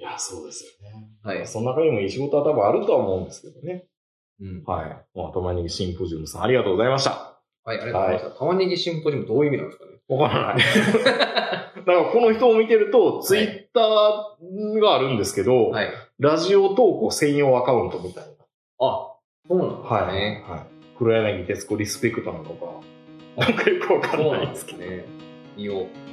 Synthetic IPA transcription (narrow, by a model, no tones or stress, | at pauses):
jaso̞ːd̪e̞sɨ̥jo̞ne̞hasononakaɲ̟imo̞it͡ɕiɡo̞t̪o̞βat̪abɯ̃aɾɯ̟t̪o̞βaomo̞ɯ̟̃nd̪e̞sɨ̥ke̞d̪o̞ne̞ | ha̰imoa̰t̪omaɲ̟iɡʲiɕĩmpoʑɨːmɯ̟sã̰aɾiɡat̪oːɡzaimaɕt̪a̰ | haiaaɾiaiaat̪amaɲʲiɡʲiɕĩmpoʑɨːmd̪oːiːmʲinã̰nd̪eskaneβakaɾana̰i | d̪akaɾako̞no̞çi̥t̪o̞ːmʲit̪e̞ɾɯ̟t̪o̞t͡sɨit̪ːaː | ɡaːɾɯ̟̃nd̪e̞sɨ̥ke̞d̪o̞haiɾaʑio̞t̪o̞ːkosẽ̞joːakaɯ̟̃nt̪o̞mʲit̪aina | a | soːnã̰haiehai | kɯ̟ɾɯenaɡʲit̪esɨ̥koɾʲisɨ̥pe̞kːɯ̟̥t̪onanoka̰ | ãŋkajokɯ̟βakaɾaaid̪esked̪e | io